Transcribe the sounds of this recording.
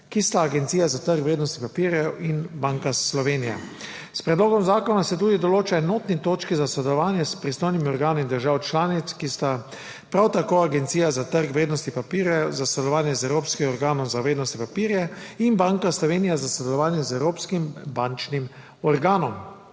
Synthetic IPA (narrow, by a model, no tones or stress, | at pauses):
kist̪aːɡɛnt̪siːjazat̪əɾkʋɾeːd̪nɔst̪ipapiːɾjɛinbaŋkaslɔʋeːnija̰ | spɾɛd̪loːɡɔmzaːkɔnasɛt̪̬uːd̪id̪ɔloːt͡ʃaɛnoːt̪nit̪oːt͡ʃkizasɔd̪ɛlɔʋaːnjɛspɾist̪oːjnimiɔɾɡaːnind̪əɾʒaːwt͡ʃlaːnit̪skist̪a | pɾawt̪akoːaɡɛnt̪siːjazat̪əɾkʋɾeːd̪nɔst̪ipapiɾjɛzasɔd̪ɛlɔʋaːnjɛzɛwɾoːpskimɔɾɡaːnɔmzaʋɾeːd̪nɔst̪ipapiːɾjɛinbaŋkaslɔʋeːnijazasɔd̪ɛlɔʋaːnjɛzɛwɾoːpskimbant͡ʃnim | ɔɾɡaːnɔm